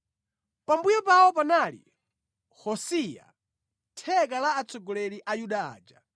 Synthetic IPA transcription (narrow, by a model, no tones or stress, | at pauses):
pambujɔpaɔpanaːlḭ | hɔsija̰ | tʰɛkalaːt͡sɔɡɔlɛliʔajuɗaa̰ːd͡ʒa